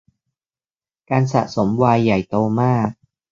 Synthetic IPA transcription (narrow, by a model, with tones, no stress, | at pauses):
kaː˧nsa̰˨˩so˩˦mwaː˧jːa˨˩jt̪oː˧maː˥˩k̚